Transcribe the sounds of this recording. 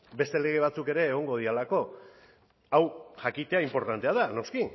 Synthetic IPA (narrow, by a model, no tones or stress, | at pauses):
be̞st̪e̞le̞ɣ̞e̞β̞at͡suke̞ɾe̞ːɣo̞ŋɡo̞ð̞ialako̞ | awʝakit̪e̞aimpo̞ɾt̪ant̪e̞aðano̞ski